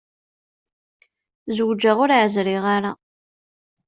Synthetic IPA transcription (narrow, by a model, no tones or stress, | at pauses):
zwd͡ʒːaʁʊɾʕəzɾɪʁaɾa